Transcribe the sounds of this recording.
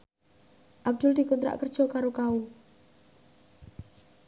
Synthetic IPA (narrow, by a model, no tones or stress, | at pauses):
ʔab̚d̪̥ʊ̤ld̪̥i̤kunt̪ɾa̰ʔkərd̥ʒ̥ɔ̤kaɾokau